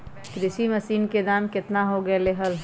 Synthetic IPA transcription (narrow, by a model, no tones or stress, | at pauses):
kɾɪʃiməsiːnked̪aːmkɪt̪naɦoɡɐeleɦəl